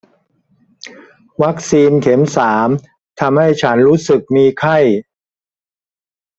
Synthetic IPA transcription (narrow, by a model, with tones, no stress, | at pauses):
wa˦˥k̚siː˧nkʰe˩˦msaː˩˦m | t̪ʰa˧mha˥˩jt͡ɕʰa˦˥nɾuː˦˥sɯ˨˩k̚miː˧kʰa˥˩j